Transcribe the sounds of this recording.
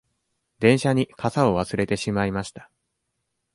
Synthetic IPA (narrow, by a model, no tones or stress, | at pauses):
d̪ẽ̞ɰ̃ɕaɲ̟ikʰasao̞βasɨɾe̞t̪e̞ɕimaimaɕi̥t̪ḁ